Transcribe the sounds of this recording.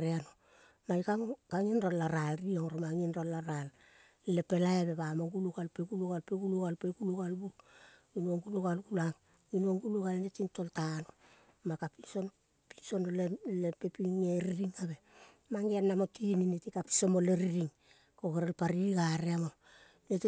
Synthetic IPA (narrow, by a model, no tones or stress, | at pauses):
ɾeano | majkaŋkaŋinrolaɾalrioŋɾomaŋinɾolaɾal | lepe̞lajaβe̞βamoŋɡuluɡalpekuluɣalpeɡuluɣalpeɡuluɣalbu | inuoŋɡuluɣalɡulaŋ | inoŋɡuluɣalenetintoltano | makapinson | pinso̞nolelepepiŋeɾiɾiŋaβe̞ | maŋɡeanːamotininetikapi̥somoleɾiɾiŋ | kokeɾelpaɾiɡaɾeamo | neti